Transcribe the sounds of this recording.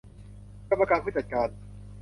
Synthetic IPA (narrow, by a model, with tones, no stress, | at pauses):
ka˧mːa˧kaː˧npʰuː˥˩t͡ɕa˨˩t̪̚kaː˧n